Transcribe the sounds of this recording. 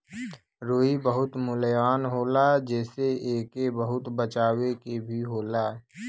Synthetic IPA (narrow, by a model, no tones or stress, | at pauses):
ɾoːibəɦʊt̪mʊljaːnɦoːlad͡ʒɛːseeːkebəɦʊt̪bət͡ʃaːwekebʱiɦoːlaː